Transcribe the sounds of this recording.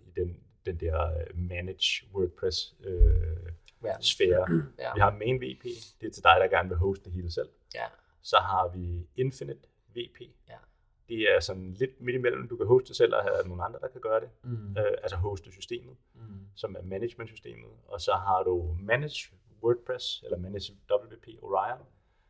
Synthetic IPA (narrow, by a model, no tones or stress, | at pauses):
id̥en | d̥end̥ɛɐ̰mæned̥ɕwøːɡ̥̚pʰʁɛsø | sfeːɐʋiɦɑ̈meːnʋe̝̰pʰe̝̰ːd̥e̝æɐt͡sʰe̝ld̥ɑ̈ɪɾ̥ɑ̈ɡ̥æɐnəʋe̝ɦɔʊsd̥d̥eɦe̝ːlsel̰ | sɒ̽ɦɑ̈ʋie̝nfinid̥ | ʋe̝̰ːpʰe̝̰ː | d̥eæɐsɒ̽nle̝d̥med̥imel̰m̩d̥ukʰæɦɔʊd̥ə̥d̥esel̰ɒ̰hææno̝ːn̩ɑ̈nd̥ʁɐd̥ɑ̈kʰæɡ̥ɶːɐɾ̥e̝øælsɒɦɔʊsd̥əsysd̥e̝̰ːmð̩ˠsɒ̽mæɐmæne̥mend̥sy̥sd̥e̝̰ːmð̞̩ˠɒ̽sɒ̽ɦɑ̈ɾ̥umæne̥ɕ | wøːɡ̥̚pʰʁɛselɐmæne̥d̥ɒ̽b̥l̩ʋe̝pʰe̝̰ːoʁɑɪn